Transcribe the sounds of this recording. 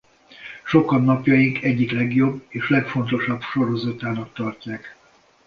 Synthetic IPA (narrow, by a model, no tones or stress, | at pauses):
ʃo̞kɒnːɒpjɒjiŋkʰɛɟːiklɛɡjo̞bːeːʃlɛkfo̞n̪t̪o̞ʃɒbʃo̞ɾo̞zɒt̪aːnɒkt̪ɒrcaːk